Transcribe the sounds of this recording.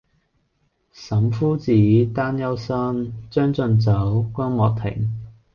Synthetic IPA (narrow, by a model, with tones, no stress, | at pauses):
sɐ˨˥mfuː˥t͡siː˨˥t̪aː˥njɐ˥wsɐ˥nt͡sœː˥ŋt͡sɵ˧nt͡sɐ˨˥wkʷɐː˥nmɔː˨˧k̚t̪ʰɪ̰˨˩ŋ